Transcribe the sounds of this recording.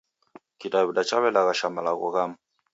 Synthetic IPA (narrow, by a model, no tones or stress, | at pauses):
kitaβidat͡ʃaβɛlaɣaʃamalaɣɔ̰ɣama